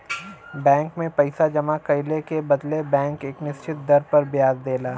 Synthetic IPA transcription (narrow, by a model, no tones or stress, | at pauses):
bɛ̃ːŋkmẽpɐɪsad͡ʒɐmakɐɪlekebɐd̪lebɛ̃ːŋkeːknɪʃt͡ʃɪt̪̚d̪ɐɾpɐɾbjaːzd̪eːlaː